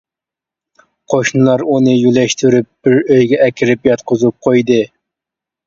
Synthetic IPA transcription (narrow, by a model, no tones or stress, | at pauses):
qʰoʃnɨlˠɑɾunɨjylɛʃt̪ʰyɾyp̚b̥ɪɾøjɡʲɛʔɛkʲʰɪɾɪpjɑt̪qʊzup̚qʰojd̪ɨ